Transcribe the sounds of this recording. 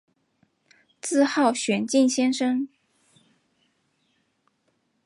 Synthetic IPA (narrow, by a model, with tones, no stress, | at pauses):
t͡sɹ̩˥˧xɑ˥˩ʊɕɥɛ˧˥nt͡ɕi˥˩ŋɕjɛ˥nʂɤ˥ŋ